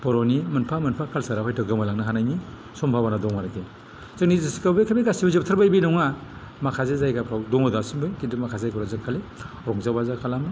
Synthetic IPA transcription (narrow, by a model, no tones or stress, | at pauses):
pɔɾɔnimɯnpʰamɯnpʰakʰalsaɾapʰajtɯɡɯmalaŋnaɦanajni | sɔmpʰabanadɔŋwaɾakʰe | zɯŋnizisi̥kawbekʰabeɡasibazɯp̚tʰaɾbajbinɔwŋa | makʰazezajkapʰɾawdɔŋadasumbɯjkidɯmakʰazajkʰɔɾazɯkʰale | ɾɔŋzabazakʰalamɯ